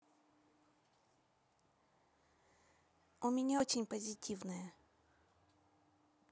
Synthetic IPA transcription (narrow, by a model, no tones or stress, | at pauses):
ʊmʲɪnʲaot͡ɕɪnʲpəzʲɪtʲʰivnəjə